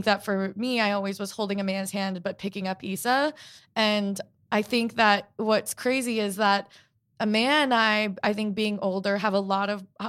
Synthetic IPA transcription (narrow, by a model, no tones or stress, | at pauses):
ŋk̚ðɨtfə˞miaɪɔlˠwizwʌz̥hoʊlˠdɪ̃ŋɨmæ̃nz̥hæ̃nbʌt̚pʰɪkɪ̃ŋʌpisəɨ̃n | ʔaɪθɪ̃ŋk̚ðɨt̚wʌtskʰɹ̥eɪziɪzðəɾ | ʔəmæ̃naɪaɪθɪ̃ŋk̚b̥iɪ̃ŋʔoʊlˠdə˞əvəlɔɾʌv